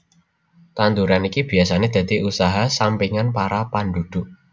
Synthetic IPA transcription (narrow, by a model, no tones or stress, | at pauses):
t̪and̪uɾanikib̥i̤asaned̪̥ä̤d̪̥iʔusaɦasampiŋanpaɾapanɖ̪ud̪̥ʊ̤ʔ